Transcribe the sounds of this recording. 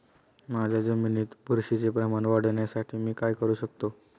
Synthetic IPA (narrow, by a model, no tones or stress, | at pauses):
mad͡ʑʱjad͡zeminit̪buɾɕit͡sepɾəmañʋaɽ̤ɳjasaʈʰiːmiːkajkəɾuːɕək̚t̪o